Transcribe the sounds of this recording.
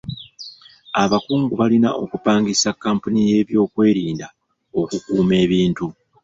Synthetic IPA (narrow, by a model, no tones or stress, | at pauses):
aβakuːŋɡuβalina̰ʔo̞̰kupaːŋɡisakːaːmpunije̞ːβjo̞ːkwe̞ːɾiːnda | o̞kukuːme̞ːβiːntu